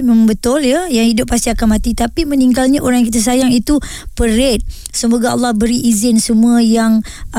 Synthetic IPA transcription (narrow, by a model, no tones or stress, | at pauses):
məmbət̪ʊljəjaŋhidʊpːast̪iakanmãt̪it̪apimə̃niŋɡalɲaʔoɾaŋjakit̪asajaŋit̪upəɾet̪̚ | səmoɡaɑlːɑhbəɾiʔːzɪnsəmuajaŋ